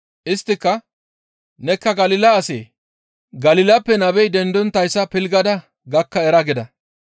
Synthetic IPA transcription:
ʔɪst̪ːɪkːɐ | nɛkːɐɡɐlɪlɐːsḛː | ɡɐlɪlɐpːɛnɐbɛjd̪ɛnd̪ɔnt̪ɐjsːɐpɪlɡɐd̪ɐ | ɡɐkːɐɛɾɐɡɪd̪ɐ

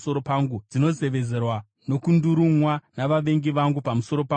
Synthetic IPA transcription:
soɾopaŋɡud͡zino̞ze̞ʋe̞d͡ze̞rwa | no̞kunduɾumwanaʋaʋe̞ŋɡiʋaŋɡupamuso̞ɾo̞pa

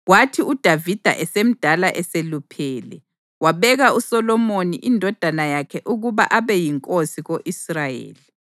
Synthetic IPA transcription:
ɣwatʰiud̥ʱavid̥ʱa̰ʔɛsem̩d̥ʱalaʔɛselupʰɛːlɛ | waβɛɣausɔlɔmonḭʔindʱɔd̥ʱanajakʰɛʔuɣuβa̰ʔaβɛjiŋkʼosiɣoʔisrajḛːli

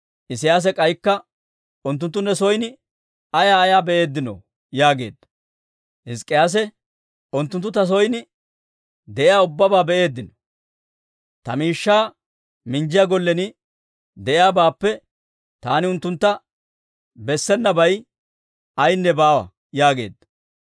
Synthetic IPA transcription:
ʔɪsɪjaːs̬ɛkʼɐjkːɐ | ʊnt̪̬ːʊnt̪ːʊnːɛsɔjnɪ | ɐjaːjaːbɛʔe̞ːd̪ːɪnɔ̰ | jaːɡe̞̰ːd̪ːɐ̥ | hɪskʼːɪjaːs̬ɛ | ʊnt̪ːʊnt̪ːʊt̪ɐs̬ɔjnɪ | d̪ɛʔɪjaːʊbːɐbaːbɛʔe̞ːd̪ːɪnɔ̥ | t̪ɐmiːʃːaː | mɪnd͡ʒɪjaɡɔlːɛnɪ | d̪ɛʔɪjaːbaːpːɛ | t̪aːnɪʊnt̪ːʊnt̪ːɐ | bɛsːɛnːɐbɐj | ɐjnːɛbaːwɐ̰ | jaːɡe̞̰ːd̪ːɐ̥

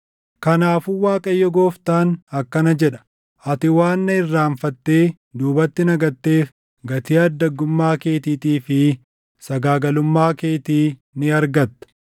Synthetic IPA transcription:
kɐnaːfʊwaːkʼɐjːɔɡo̞ːft̪aːnɐkːɐnɐd͡ʒɛᶑɐ̥ | ɐt̪ɪwaːnːɐɪrːaːɱfɐt̪ːe̞ː | d̪uːbɐt̪ːɪnɐɡɐt̪ːe̞ːf | ɡɐt̪iːɐd̪ːɐɡːʊmːaːke̞ːt̪iːt̪iːfɪ | sɐɡaːɡɐlʊmːaːke̞ːt̪iː | nɪɐɾɡɐt̪ːɐ̥

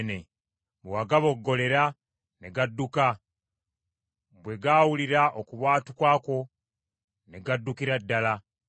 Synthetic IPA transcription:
ne̞ | βwaːɡaβo̞ɡːo̞le̞ɾa | ne̞ɡadːuka | bwe̞ɡaːwuliɾaʔokuβwaːtukwaːko̞ | ne̞ɡadːukiɾadːala

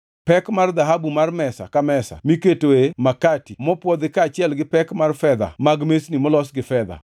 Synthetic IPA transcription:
pɛkmard̪aɦabumarmɛsa̰kamɛsa̰miketoemakatimɔpwɔd̪ɪkaːt͡ʃɪɛlɡɪpɛkmarfɛd̪a̰maɡmesnimɔlɔsɡɪfɛd̪a̰

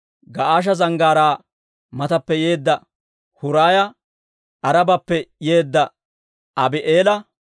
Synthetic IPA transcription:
ɡɐʔaːʃ̬ɐzɐŋɡaːɾaː | mɐt̪ɐpːɛje̞ːd̪ːɐ | hʊɾaːjɐ | ʔɐɾɐbɐpːɛjeːd̪ːɐ | ɐbɪʔeːlɐ

